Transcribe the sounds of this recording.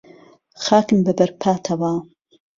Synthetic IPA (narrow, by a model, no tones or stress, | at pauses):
xaːkɨmbɐbɐɾpʰaːt̪ʰɐwa